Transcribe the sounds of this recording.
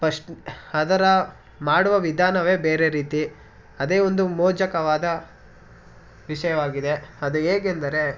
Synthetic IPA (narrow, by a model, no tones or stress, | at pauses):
pɐʂʈɐd̪ɐɾɐ | maːɽuʋɐʋid̪ʱaːnɐʋe̞ːbeːɾeɾiːt̪i | ɐd̪eːond̪umɔːd͡ʒɐkɐʋaːd̪ɐ | ʋiʃɐjɐʋaːɡid̪e̞ɐd̪ueːɡend̪ɐɾe̞